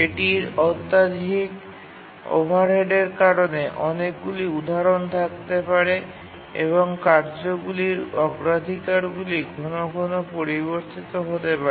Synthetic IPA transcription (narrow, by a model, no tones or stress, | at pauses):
eʈiɾɔt̪ːad̪ʱik | o̰bʱaɾɦeɖeɾkaɾoneʔɔnek̚ɡuliud̪ʱaɾont̪ʰak̚t̪epaɾe | ḛβoŋkaɾd͡ʑoɡuliɾɔɡɾad̪ʱikaɾɡuliɡʱonoɡʱonopoɾiβoɾt̪it̪oɦot̪epaɾe